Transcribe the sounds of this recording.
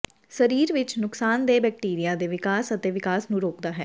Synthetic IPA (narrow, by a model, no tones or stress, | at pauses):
səɾiːɾʋɪt͡ʃnʊksaːnd̪eːbɛːk̚ʈiːɾijaːd̪eːʋɪkaːsət̪eːʋɪkaːsnũːɾoːkd̪aːɦɛ̰ː